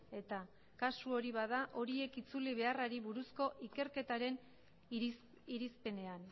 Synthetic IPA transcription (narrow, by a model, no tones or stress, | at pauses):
e̞t̪a | kasuo̞ɾiβaðaʔo̞ɾie̞kit͡suliβ̞e̞araɾiβuɾusko̞ʔike̞ɾke̞t̪aɾe̞n | iɾispe̞ne̞an